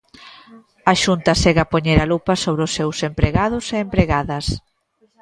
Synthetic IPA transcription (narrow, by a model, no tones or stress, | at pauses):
ɐʃunt̪ɐsɛɣɐpoɲeɾalupɐsoβɾʊsːewsempɾeɣaðʊseːmpɾeɣaðɐs